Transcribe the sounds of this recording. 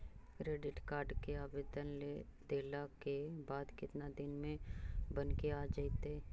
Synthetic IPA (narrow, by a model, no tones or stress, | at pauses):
kɾeːɖɪʈkaːɾɖkeaːbeːd̪ənled̪̥eːlakebaːd̪kɪt̪nad̪ɪnmẽbənkeaːd͡ʒait̪eː